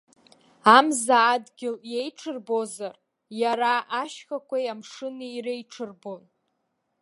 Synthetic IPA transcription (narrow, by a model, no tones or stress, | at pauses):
amzaːdɡʲɪljejʈ͡ʂʰɨrbo̞zar | jaɾaʔːʃχakʷʰajamʂɨnɨirejʈ͡ʂʰɨrbo̞n